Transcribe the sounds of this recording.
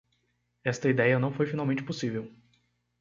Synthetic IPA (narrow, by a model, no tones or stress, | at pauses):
ɛst̪ɐid̪ɛjɐnɐ̃w̃fojfinawmẽt͡ʃɪ̥posivew